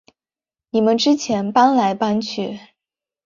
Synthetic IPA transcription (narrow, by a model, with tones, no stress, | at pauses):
ni˨˩mə˦nʈ͡ʂɻ̩˥t͡ɕʰjɛ˧˥npa˥nla˧˥ɪpa˥nt͡ɕʰy˥˩